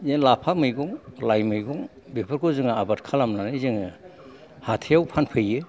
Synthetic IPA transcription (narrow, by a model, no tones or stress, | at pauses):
jenlapʰamɯjɡɔŋlajmɯjɡɔŋ | bepʰɯɾkʰozɯŋaabat̚kʰalamnanɯzɯŋɯ | hatʰejawpʰanpʰɯjɯ